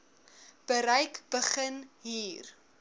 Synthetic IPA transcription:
b̥əɾɐjkb̥əχənɦiːr

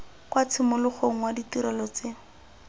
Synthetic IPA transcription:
kwat͡sʰɪmʊlʊχoŋ̩waditiɾɛlɔt͡se

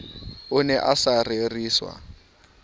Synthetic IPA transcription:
ʊnɛʔasareriːswa̰

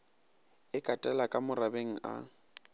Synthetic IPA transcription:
ɪkʼatʼɛlakʼamʊrabeŋ̩a̰

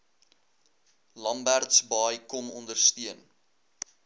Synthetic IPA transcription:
lɐmbærtsbɑjkɔmɔndərstiən

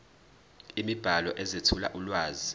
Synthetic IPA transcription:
imib̥ʱalɔʔɛzetʰula̰ʔulwaːzi

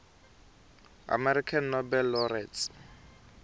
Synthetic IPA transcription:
a̰mɛɾikʰanːɔbɛlːɔrɛs

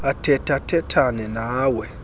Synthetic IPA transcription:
atɛtatɛtʰanɛnawɛ

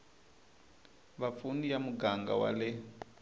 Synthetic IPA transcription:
βap̪funijamuɡaŋɡa̰wa̰lɪ

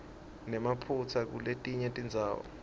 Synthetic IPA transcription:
nɛmapʰut͡sʰak̬ṵletʼiɲɛtʼind͡zʱaːwɔ̰

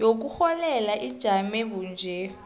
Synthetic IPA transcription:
jok̬uxɔlɛlaʔid̥ʒ̥ʱamɛɓund͡ʒʱɛ

